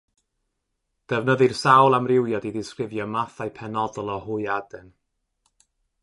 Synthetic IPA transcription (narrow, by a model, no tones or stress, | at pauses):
d̥ɛvnəðɨrsawlˠamrɪwjɔdidɪskrɪvjɔmaθajpʰɛnɔdɔlˠɔhʊɨadɛn